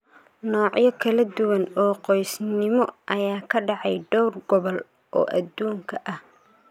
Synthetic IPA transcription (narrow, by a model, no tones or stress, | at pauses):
nɔːʕjɔkʰɐlɐd̪ʊwɐnɔːqɔjsnɪmɔʔɐjaːkʰɐɖɑʕɑjɖɔwrɡɔβɔl | ʔɔ̰ːʔɐd̪uːŋkʰɐʔɐh